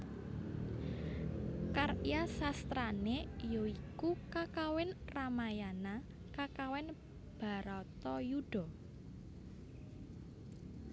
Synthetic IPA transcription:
karjasast̪ɾanejoikukakawɪnramajana | kakawɪn | b̥a̤ɾɔt̪ɔjuɖ̥ɔ̤

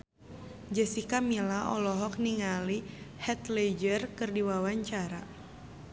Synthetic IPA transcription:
d͡ʒɛsikamilaʔɔ̰lɔɦɔk̚niŋalihɛt̪led͡ʒərkɨrdiwawaɲt͡ʃaɾa

